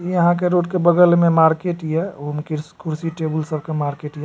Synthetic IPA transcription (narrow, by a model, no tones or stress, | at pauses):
iəɦãkeɾoʈkebəɡəlmemaɾkeʈijɛomkikuɾsiʈebəlsəb̚ʱkemaɾkeʈijɛ